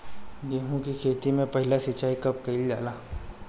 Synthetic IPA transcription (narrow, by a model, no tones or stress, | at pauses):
d̪eːɦõkikʰeːt̪imẽpɐɦɪlasɐt͡ʃaːikɐp̚kɐild͡ʒa̰ːlaː